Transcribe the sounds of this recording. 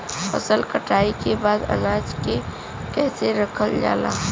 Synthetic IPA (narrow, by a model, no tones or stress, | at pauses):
fə̰səlkəʈaːikebaːd̪ə̰naːd͡ʒke | kɛːseɾəkʰəld͡ʒa̰ːlaːɦ